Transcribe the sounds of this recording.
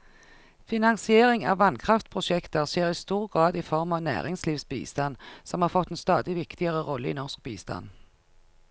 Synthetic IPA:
fɪnɑnsɪeːʁɪŋɑ̰ːʋʋɑnkʰʁɑft̪pʰʁʊʃɛkt̪əʁseːʁiːst̪uːʁɡʁɑːd̪iːfɔʁmɑːʋnæ̰ːʁɪŋsliːʋsbḭːst̪ɑnsɔmhɑːʁfɔt̪ːeːnst̪ɑːd̪ɪʋɪkt̪ɪəʁəʁɔlːəḭːnɔʁsk̚biːst̪ɑ̰n

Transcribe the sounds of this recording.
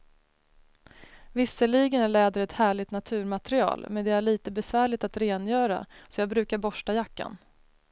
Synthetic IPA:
vɪsːəliːɡənæɭɛːd̪əɾɛt̪hæːɭɪt̪nat̪ʰʉ̟ːɾmat̪ɾɪɑ̰ːlmɛnd̪ɛæɭiːt̪əbɛsvæːɭɪt̪at̪ɾeːnjœːɾa̰sɔjɑːɡbɾʉ̟ːkaɾbɔʂʈajakːa̰n

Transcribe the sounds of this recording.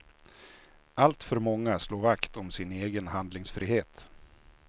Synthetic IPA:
alt̪fœɾmɔŋːasloːɾvakt̪ɔmsɪneːɡənɦand̪lɪŋsfɾiːheːt̪

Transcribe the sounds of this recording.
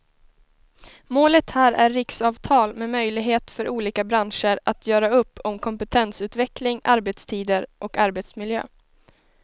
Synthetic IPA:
moːlət̪hæːɾʔæɾːɪksɑːvt̪ʰɑːlmɛmœjlɪɡɦeːt̪fœɾʔuːliːkabɾanʂəɾʔat̪ʰjœːɾaɵpːɔmkʰɔmpɛt̪ʰɛnsʉ̟ːt̪vɛklɪŋʔaɾbɛt̪st̪ʰiːd̪əɾʔɔkaɾbɛt̪smɪljø̰ː

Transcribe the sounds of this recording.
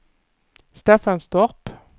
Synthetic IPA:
st̪eːfɑnst̪ɔʁp

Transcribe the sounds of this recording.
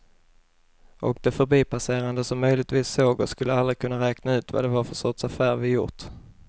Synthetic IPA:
ʔɔk̚d̪ɛfœɾbiːpʰaseːɾand̪əsɔmːœjlɪɡ̚t̪viːsːoːɡɔ̰skɵlːəalɾɪkʰɵnːaɾɛːknaʉ̟ːt̪va̰d̪ɛvaɾfœsɔt̪safæːɾvɪjʊ̰ʈ

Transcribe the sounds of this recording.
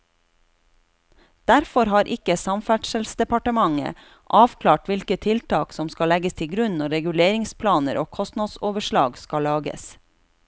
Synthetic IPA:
d̪̥æɾfɔɾhɑːɾʔɪkəsɑmfæʈʃəlsd̪ɛpɑʈəmɑŋə̰ | ʔɑːʋkʰlɑːʈʋɪlkət̪ʰɪlt̪ɑːksɔmskɑlɛɡəst̪ʰɪɡɾʉnnɔɾɛɡʉleːɾɪŋspʰlɑːnəɾʔoːkʰɔst̪nɑd̪soːʋəʃlɑ̰ːɡskɑlɑːɡə̰s

